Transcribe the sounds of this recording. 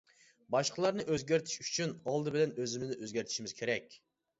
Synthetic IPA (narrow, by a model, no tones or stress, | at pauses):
bɑʃqʰəlˠɑɾnɨʔøzɡʲæɾt̪ʰɪ̥ʃyt͡ʃʰynɑlˠd̪ɨbɪlɛnøzɪmɪznɪʔøzɡʲæɾt̪ʰi̥ʃimɪz̥kʲʰeɾɛkʲ